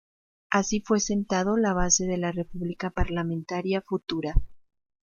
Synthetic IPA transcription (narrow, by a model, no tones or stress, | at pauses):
asifwe̞se̞nt̪að̞o̞laβ̞ase̞ðe̞lare̞puβlikapaɾlamẽnt̪aɾjafut̪uɾa